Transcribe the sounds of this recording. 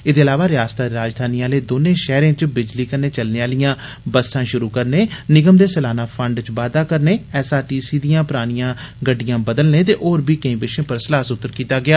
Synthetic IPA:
ɪd̪eːəlaːʋaːɾɪjaːst̪aːɾaːd͡ʒd̪ʱaːniːaːleːd̪oːnẽːʃɛːɾẽːt͡ʃbɪd͡ʒliːkəɾneːt͡ʃəlneːaːlɪjãː | bəsãːʃʊɾuːkəɾneːnɪɡəmd̪eːsəlaːnaːpʰəɳɖt͡ʃʋaːd̪aːkəɾneːɛːsaːʈiːsiːd̪ijãːpʊɾaːɽ̃ɪjãːɡəɖːɪjãːbəd̪əlnẽːt̪eːʔoːɾbiːkə̃ĩːbɪʃẽːpəɾsəlaːsʊt̪ːəɾkiːt̪aːɡɪaː

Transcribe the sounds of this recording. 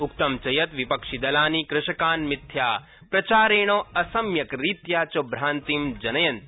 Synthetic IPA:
ukt̪ɐmt͡ʃɐjɐt̪ʋipɐkʂid̪ɐlaːnikɾɪʃɐkaːnmɪt̪ʰjaː | pɾɐt͡ʃaːɾeːɳ̃oːɐsɐmjɐkɾiːt̪jaːt͡ʃobɾaːnt̪imd͡ʒɐnɐjɐnt̪

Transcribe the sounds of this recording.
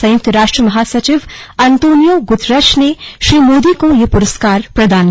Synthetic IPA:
sɐ̃jʊk̚t̪ɾaːʃʈɾəmɐɦaːsɐt͡ʃɪʋɐnt̪oːnijoːɡʊt̪ʰɾɐʃneʃɾiːmoːd̪iːkõjepʊɾəskaːɾpɾɐd̪aːn

